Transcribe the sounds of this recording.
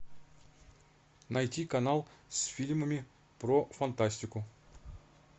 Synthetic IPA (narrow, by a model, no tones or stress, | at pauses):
nɐjtʲikɐnalˠsʲfʲilʲməmʲɪ | pɾofɐnt̪asʲtʲɪkʊ